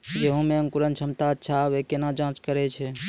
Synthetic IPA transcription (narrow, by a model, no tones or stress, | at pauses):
d͡ʒeɦõmeəŋkuɾənt͡ʃʰəmt̪aətːʃʰabekenad͡ʒãt͡ʃkəɾɛt͡ʃʰɛ